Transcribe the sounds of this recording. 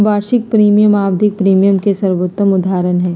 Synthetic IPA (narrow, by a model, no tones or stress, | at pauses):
baːɾʃɪk̚pɾiːmijəmaːbd̪ʱɪk̚pɾiːmijəmkesəɾʋot̪ːəmʊd̪aːɾənɦɛ̃ː